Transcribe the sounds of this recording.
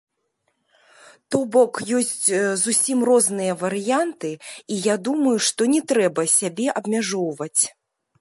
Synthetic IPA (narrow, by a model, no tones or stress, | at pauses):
t̪ɔbɔkjɔsʲt͡sʲzusʲimrɔznɨjɐvɐɾɨjant̪ɨijad̪umɐjuʂt̪ɔnʲɛt̪ɾɛbɐsʲabʲɛʔɐbmʲaʐɔwvɐt͡sʲ